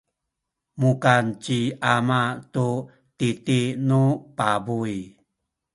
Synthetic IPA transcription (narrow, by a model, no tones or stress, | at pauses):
mukant͡ɕiamatu | titinupabuj